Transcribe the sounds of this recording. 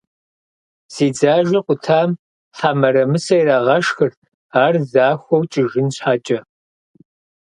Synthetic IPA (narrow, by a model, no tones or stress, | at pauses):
z̥iːd͡zaːʒɐqʷʼʊtʰaːm | ħamɐɾɐmɨsɐjɾaːʁɐʂxɨr | aːrzaːxʷɔwt͡ʃʼɪʒɪnɕħat͡ʃʼɐ